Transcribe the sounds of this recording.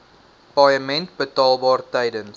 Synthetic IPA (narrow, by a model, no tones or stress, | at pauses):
pɑjəmɛnt̚bətɑːlˠbɑːrtɛjdən